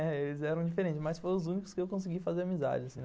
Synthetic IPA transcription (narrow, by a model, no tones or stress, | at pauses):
ɛelɪzɛɾɐ̃w̃d͡ʒifeɾẽnt͡ʃɪsmɐsfoj̃ʊzũnikʊ̥skɪewkõs̬ɪɡifazeɾamiza̰d͡ʒɪasĩ